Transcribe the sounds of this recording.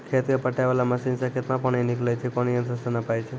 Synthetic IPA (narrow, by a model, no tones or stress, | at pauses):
kʰet̪epəʈaʋelaməsinsəkʰet̪mãpəɳeniklajt͡ʃʰekɔniə̃nt̪ɾəsənəpajt͡ʃʰe